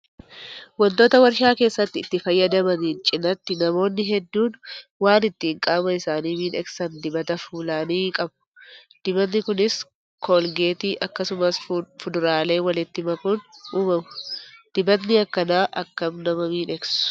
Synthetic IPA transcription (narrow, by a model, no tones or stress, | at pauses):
wɔnt̪o̞ːt̪ɐwɐɾʃaːke̞ːsːɐt̪ːɪːt̪ːɪfɐjːɐd̪ɐmɐniːnt͡ʃʼɪnɐt̪ːɪnɐmo̞ːnːɪɦɛd̪ːuːnwaːnɪt̪ːiːŋkʼaːmɐɪsaːniːmiːnɛksɐnd̪ɪbɐt̪ɐfuːlaːniːkʼɐbʊ̥d̪̥ɪbɐt̪nːɪkʊnɪs | kʰoːlɡe̞ːt̪iːʔɐkːɐsʊmɐsfʊd̪ʊɾaːle̞ːwɐlɪt̪ːɪmɐkʊnʔuːmɐmʊ̥d̪̥ɪbɐt̪nɪɐkːɐnaːʔɐkːɐmnɐmɐmiːnɛksʊ̥ʊ̥